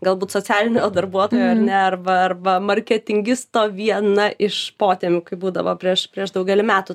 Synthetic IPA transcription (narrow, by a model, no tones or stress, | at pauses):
ɡɐlˠbuːt̪soːt͡sʲsʲæːlʲɪnʲejːd̪ɐrbuɔt̪oːjoːɐrnʲɛɐrʋɐɐrʋɐmɐɾʲkʲɛt̪ʲɪŋʲɡʲɪst̪oːʋʲiɛnɐʔɪʃpoːt̪ʲɛːmʲʊkɐɪbuːd̪ɐ̰ʋo̰ːpʲɾʲiɛʃpʲɾʲiɛʒd̪ɐʊɡʲɛlʲɪmʲæːt̪ʊ